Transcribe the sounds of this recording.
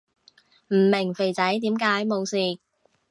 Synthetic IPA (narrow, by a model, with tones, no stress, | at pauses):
m̩˨˩mɪ˨˩ŋfe˨jt͡sɐ˨˥jt̪iː˨˥mkaː˨˥jmo˨˧wsiː˨